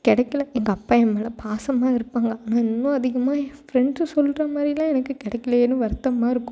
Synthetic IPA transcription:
kɪɽɛkːɪlɐɛŋɡɐːpːaːjɛmːɛːlɐpaːsɐmaːɪɾɯpːaːŋɡɐnaːɪnːʊ̃ɐðɪɣɐmaːfɾɛɳɖssɔlːɾɐmaːd̪ɾɪlãːɛnɐkːɯkɪɽɛkːɪlɐeːnːɯʋɐɾt̪ːɐmaːɪɾɯkːʊ̃

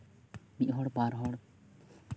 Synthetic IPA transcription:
miʔɦɔɽbaɾɦɔɽ

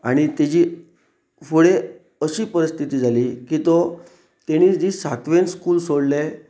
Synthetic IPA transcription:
aɽ̃it̪ed͡ʑiː | fuɽe | əɕiːpəɾist̪ʰit̪iːd͡zʱaliːkit̪ɔ | t̪eɽ̃iːd͡ʑiːsat̪ʋenskuːlsoɽle

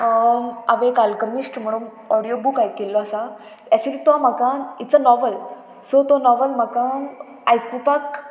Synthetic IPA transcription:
aʋekalkəmisʈm̤əɽ̃uːn | ɔɽijobukajkelːɔasa | jat͡ɕiɾit̪oam̤akait͡sənɔʋəl | sɔt̪onɔʋəlm̤akã | ajkupak

